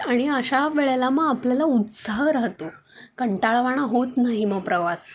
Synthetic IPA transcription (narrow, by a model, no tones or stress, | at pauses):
aɽ̃iəɕaʋeɭelaməɡapljalaupsaɦɾəɦt̪o | kəɳʈaɭʋaɽ̃aɦot̪naɦiməɡpɾəʋas